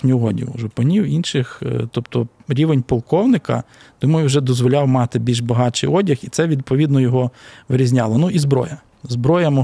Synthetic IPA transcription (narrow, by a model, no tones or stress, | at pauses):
nʲʊɔdʲḭwʒʊpɐnʲiwinʃɪxt̪ɔpt̪ɔɾʲiʋenʲpɔlˠkɔwnɪkɐ̰ | d̪̥umɔjʊwʒɛd̪ɔzʋɔlʲɑwmɑt̪ɪbʲilʲʒbɐɦɑt͡ʃɪ̰jɔdʲɐxit̪sɛʋʲid̪̚pɔʋʲid̪nɔjɔɦɔʋɪɾʲizʲnʲɑlˠɔnuʔizbɾɔ̰jɐ | zbɾɔjɐmɔ